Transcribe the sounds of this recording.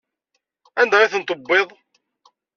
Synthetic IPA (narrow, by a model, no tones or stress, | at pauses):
ænd̪æʁiθənt̪ˤəbːeðˤ